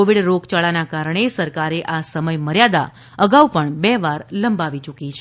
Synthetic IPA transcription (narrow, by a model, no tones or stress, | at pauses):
oʋiɽɾokt͡ʃaɭanakaɾɳ̃esəɾkaɾeʔasəməjməɾjad̪a̰ | əɡaupəɳbɛʋaɾləmbaʋit͡ʃukit͡ʃʰe